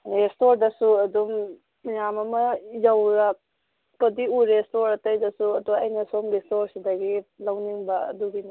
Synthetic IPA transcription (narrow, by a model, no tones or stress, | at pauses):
estoɾdɐsuɐd̪umː | ijamɐmɐjawɾa | pɐdiuɾestoɾɐtɐjdɐsuɐd̪uwaɐjnɐsomɡestoɾsidɐɡilawniŋbaɐ̰d̪uɡin